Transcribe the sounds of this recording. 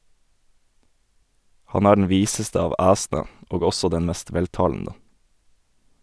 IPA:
ˈhɑn ˈæː ɖɳ̩ ˈʋiːsəstə ˈɑːʋ ˈæːsn̩ə ˈoːɡ ˈɔsɔ ˈdɛn ˈmɛst ˈʋɛlˌtɑːln̩ə

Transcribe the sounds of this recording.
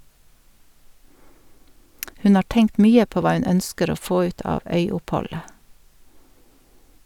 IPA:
ˈhʉn ˈɑː ˈʈɛŋkt ˈmyːə ˈpoː ˈʋɑː ˈʉn ˈœnskəɾ ˈoː ˈfoː ˈʉːt ˈɑːʋ ˈœʏʊpˌhɔlə

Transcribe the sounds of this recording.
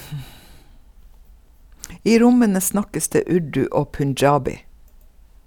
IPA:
ˈiː ˈɾʊmənə ˈsnɑkəs ˈdeː ˈʉɖʉ ˈoː pʉnˈd͡ʒɑːbɪ

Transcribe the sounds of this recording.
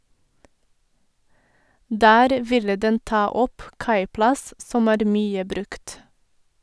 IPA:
ˈdæːɾ ˈʋɪlə ˈdɛn ˈtɑː ˈɔp ˈkɑɪplɑs ˈsɔm ˈæːɾ ˈmyːə ˈbɾʉkt

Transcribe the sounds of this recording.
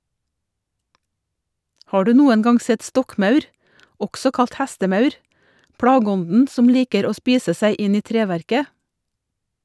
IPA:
ˈhɑː ˈɖʉː ˈnuːən ˈɡɑŋ ˈsɛt ˈstɔkˌmɑʉɾ ˈɔɡsɔ ˈkɑlt ˈhæstəˌmɑʉɾ ˈpɽɑːɡəˌɔndn ˈsɔm ˈliːkəɾ ˈoː ˈspiːsə ˈsæɪ ˈʔɪn ˈiː ˈtɾeːˌʋæɾkə

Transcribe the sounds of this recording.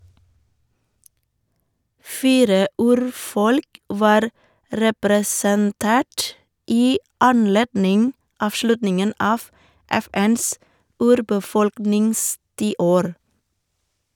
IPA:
ˈfiːɾə ˈʉːɾˌfɔlk ˈʋɑːɾ ɾɛpɾɛsənˈteːʈ ˈiː ɑnˈleːdnɪŋ ˌɑːfˈʃlʉtnɪŋən ˈɑːʋ ˈɛˌfɛns ˈʉːɾbəˌfɔlknɪŋstiːˌoːɾ

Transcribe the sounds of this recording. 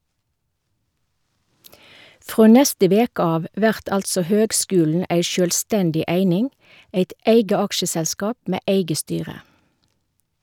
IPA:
ˈfʁoː ˈnɛstə ˈʋeːk ˈɑːʋ ˈʋæʁt ˈɑltsɔ ˈhøːɡˌskʉːln̩ ˈæɪ ˈʃøːlˌstɛndɪ ˈæɪnɪŋ ˈæɪt ˈæɪɡə ˈɑkʃəsɛlˌskɑːp ˈmeː ˈæɪɡə ˈstyːʁə

